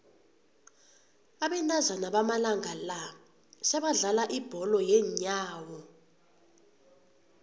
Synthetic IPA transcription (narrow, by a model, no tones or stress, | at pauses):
aɓɛntʼazanaɓamalaŋʱala | sɛɓaɮalaʔib̥ʱɔlɔjɛɲaːwɔ